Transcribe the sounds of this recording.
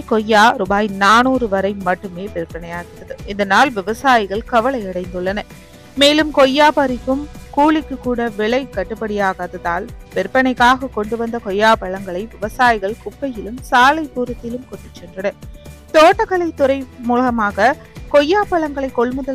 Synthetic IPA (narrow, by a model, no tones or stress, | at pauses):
kɔjːaːɾʊbaːjnaːnuːɾɯʋɐɾɐɪmɐʈːɯmeːpɛɾɯpːɐnɐɪjaːɣɪɾɐðɯɪðɐnaːlʋɪʋɐsaːjɪɣɐɭkɐʋɐɭɐɪɐɽɐɪnd̪ɯɭːɐnɐ | meːlɯmkɔjːaːpɐɾɪkːɯmkuːɭɪkːɯkːuːɽɐʋɪɭɐɪkɐʈːɯpːɐɽɪjaːɣaðɐðaːlpɛɾpːɐɳɐɪkːaːɣɐkɔɳɖɯʋɐnd̪ɐkɔjːaːpɐɭɐŋɡɐɭɐɪʋɪʋɐsaːjɪɣɐɭkʊpːɐjɪlɯmsaːlɐɪpuːɾɐt̪ːɪlɯmkɔʈːɯt͡ʃːɛndrɐnɯt̪oːʈːɐkɐɭɐɪt̪ːʊɾɐɪmuːlɐɣɐmaːɣɐ | kɔjːaːpɐɭɐŋɡɐɭɐɪkːɔɭmɯðɐ